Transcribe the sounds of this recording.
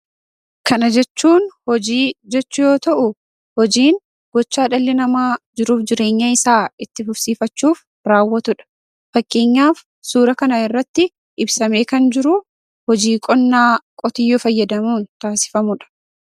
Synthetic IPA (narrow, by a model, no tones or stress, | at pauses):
kɐnɐd͡ʒɛt͡ʃːuːnhɔd͡ʒiːd͡ʒɛt͡ʃːʊjo̞ːt̪ɐʔʊ | hɔd͡ʒiːn | ɡ̥ɔt͡ʃːaːᶑɐlːɪnɐmaːd͡ʒɪɾuːfd͡ʒɪɾe̞ːɲːɐɪsaːɪt̪ːɪfʊɾsiːfɐt͡ʃːuːf | ɾaːwːɐt̪ʊᶑɐ̥ | fɐkʼːe̞ːɲːaːf | suːɾɐkɐnaɪrːɐt̪ːɪ | ʔɪbsɐme̞ːkɐnd͡ʒɪɾʊ | hɔd͡ʒiːkʼɔnːaːkʼɔt̪ɪjːofɐjːɐd̪ɐmuːnt̪aːsɪ̥fɐmʊᶑɐ̥